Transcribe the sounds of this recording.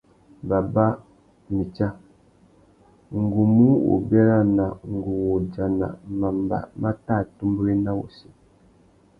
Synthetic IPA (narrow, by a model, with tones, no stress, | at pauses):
ba˨ba˦ | mi˨t͡ʃa˦ | ŋ̩˨ɡu˨mũ˦wo̰˨bɛ˦ɾa˦nã˨ŋ̩˨ɡu˨wo˨d͡ʒa˨nã̰˨mã˨mba̰˨mã˦ta˦˨tũ˦mbɾi˦nã˦wo̰˨si˦